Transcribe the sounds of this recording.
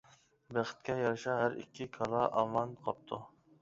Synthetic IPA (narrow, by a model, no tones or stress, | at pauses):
bæχɨ̥t̪̚kʲɛjɑɾʃɑɦæɾḭkʲʰːɪkʰɑlˠɑʔɑ̰mɑnqʰɑp̚t̪ʰu